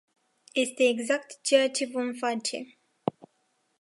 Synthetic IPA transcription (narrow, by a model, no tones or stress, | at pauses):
jest̪e̞ːɡzak̚t̪t͡ʃeat͡ʃe̞vomfat͡ʃḛ